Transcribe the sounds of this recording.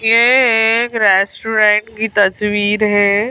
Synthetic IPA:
jeɦkɾesʈuɾẽɳʈkiːt̪əsʋiːɾɦe

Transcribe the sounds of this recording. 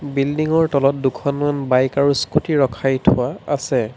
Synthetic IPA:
bildiŋɔɹtɔlɔt̚dukʰɔnmanbajkaɹuskutiɹɔkʰajtʰʊaasɛ

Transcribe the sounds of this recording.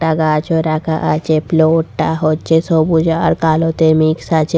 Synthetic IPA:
aɡat͡ʃʰoɾakaʔat͡ʃeploʈːaɦot͡ʃesɔbud͡ʒaɾkaːlot̪emiksat͡ʃe

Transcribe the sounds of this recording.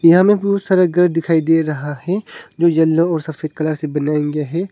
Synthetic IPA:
jɐɦãmẽput̪sɐɾəɡɐɾɖd̪ɪkʰaːid̪eːɾɐɦahɛd͡ʒoːd͡ʒɐlːõɔːɾsɐfeːd̪̚kɐlaːɾsebɐnaːẽɡaɦɛː

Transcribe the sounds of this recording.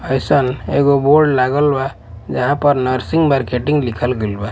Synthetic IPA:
əɪsəneɡoboɾɖlaɡəlba | d͡ʒəɦãpəɾnəɾsiŋɡmaɾkeʈĩŋɡlikʰəlɡelba

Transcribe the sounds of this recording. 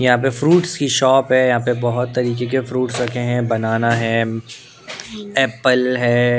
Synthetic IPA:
jɐɦãp̬efɾuːʈskiʃɔːpɦɛjɐɦãːpebɐɦʊt̪ːɐɾiːk̬ek̬efɾuːʈsɾɐkʰeɦɛ̃bɐnaːnaɦɛ̃ | ɛːpəlɦɛː

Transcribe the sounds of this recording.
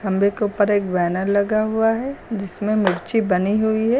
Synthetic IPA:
kɐ̃mbekeupəɾeːk̚bɛːnəɾlɐɡaɦuaɦɛd͡ʒɪsmẽmɪɾt͡ʃibɐniɦuiɦɛː

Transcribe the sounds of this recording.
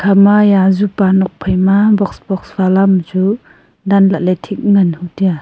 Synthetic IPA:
kʰamajazupanɔk̚pʰajmabɔksbɔksbalamd͡ʒu | danlaletʰik̚ŋanhutija

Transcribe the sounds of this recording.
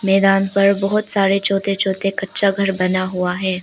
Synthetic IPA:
mɛːd̪aːnpɐɾbɔɦʊt̪saːɾet͡ʃoːt̪et͡ʃʰoːt̪ekɐtːʃaɡʱɐɾbɐnaɦuaɦɛ̃ː

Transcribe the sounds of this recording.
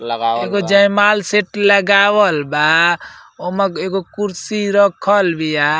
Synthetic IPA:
ɡeɡod͡ʒəjmalseʈləɡabəlba | omeeɡokuɾsiɾəkʰəlbija

